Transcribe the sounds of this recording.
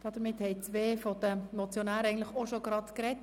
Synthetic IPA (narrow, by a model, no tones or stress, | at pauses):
d̥ɑd̥̪əmɪthɛɪt͡sʋeːfɔd̥̪əmɔt͡sjonæːɾɛɪŋn̩tlɪxoʃoɡɾɑtkɾɛt